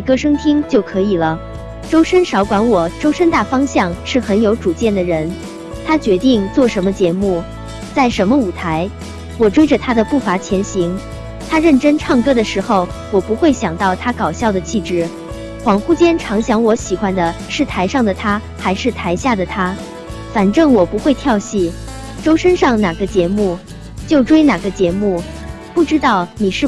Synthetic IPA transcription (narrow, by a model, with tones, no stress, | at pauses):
kɤ˥ʂɤ˥ŋt̪ʰi˥ŋt͡ɕjo˥˩ʊkʰɤ˧˥i˨˩lə˦ | ʈ͡ʂo˥ʊʂə˥nʂɑ˧˥ʊkwa˧˥nwɔ˨˩ʈ͡ʂo˥ʊʂə˥nt̪a˥˩fɑ˥ŋɕjɑ˥˧˩ŋʂɻ̩˥˩xə˧˥njo˧˥ʊʈ͡ʂu˨˩t͡ɕjɛ˥˩nd̪ə˩ɻə˧˥n | t̪ʰa˥t͡ɕɥɛ˧˥t̪i˥˧ŋt͡swɔ˥˩ʂə˧˥nmə˧t͡ɕjɛ˧˥mu˥˩ | t͡sa˥˩ɪʂə˧˥nmə˧u˨˩t̪ʰa˧˥ɪ | wɔ˨˩ʈ͡ʂwe˥ɪʈ͡ʂə˨t̪ʰa˥d̪ə˨pu˥˩fa˧˥t͡ɕʰjɛ˧˥nɕi˧˥ŋ | t̪ʰa˥ɻə˥˩nʈ͡ʂə˥nʈ͡ʂʰɑ˥˩ŋkɤ˥d̪ə˨ʂɻ̩˧˥xo˥˧ʊ | wɔ˨˩pu˧˥xwe˥˩ɪɕjɑ˨˩ŋt̪ɑ˥˩ʊt̪ʰa˥kɑ˨˩ʊɕjɑ˥˩ʊd̪ə˩t͡ɕʰi˥˩ʈ͡ʂɻ̩˥˩ | xwɑ˧˥ŋxu˥t͡ɕjɛ˥nʈ͡ʂʰɑ˧˥ŋɕjɑ˧˥ŋwɔ˧˥ɕi˨˩xwa˥nd̪ə˨ʂɻ̩˥˩t̪ʰa˧˥ɪʂɑ˥˩ŋd̪ə˩t̪ʰa˥ | xa˧˥ɪʂɻ̩˥˩t̪ʰa˧˥ɪɕja˥˩d̪ə˩t̪ʰa˥ | fa˨˩nʈ͡ʂɤ˥˩ŋwɔ˨˩pu˧˥xwe˥˧ɪt̪ʰjɑ˥˧ʊɕi˥˩ | ʈ͡ʂo˥ʊʂə˥nʂɑ˥˩ŋna˨˩ɡə˦t͡ɕjɛ˧˥mu˥˩ | t͡ɕjo˥˩ʊʈ͡ʂwe˥ɪna˨˩ɡə˦t͡ɕjɛ˧˥mu˥˩ | pu˥˩ʈ͡ʂɻ̩˥t̪ɑ˥˩ʊni˨˩ʂɻ̩˥˩